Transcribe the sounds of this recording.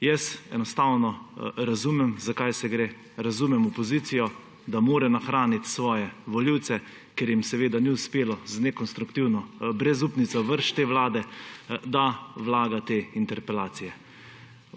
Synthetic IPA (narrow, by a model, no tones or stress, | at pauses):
jɛsɛnɔst̪awnɔɾazuːmɛmzakajsɛɡɾeː | ɾazuːmɛmɔpɔziːt̪sijɔ | d̪amoːɾɛnaxɾaːnit̪sʋɔːjɛʋɔliwt̪sɛ | keɾjimsɛʋeːd̪aniʊspeːlɔznɛkɔnst̪ɾukt̪iwnɔbɾɛzupnit̪sɔʋəɾʃt̪eːʋlaːd̪ɛd̪aʋlaːɡat̪eːint̪ɛɾpɛlaːt̪sijɛ